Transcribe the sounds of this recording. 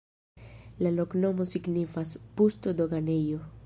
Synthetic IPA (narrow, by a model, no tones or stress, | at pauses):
laloknomosiɡnifaspust̪od̪oɡanejo